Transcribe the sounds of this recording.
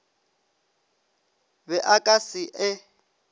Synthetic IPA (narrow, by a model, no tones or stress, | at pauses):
βɛʔakʼasiʔɪ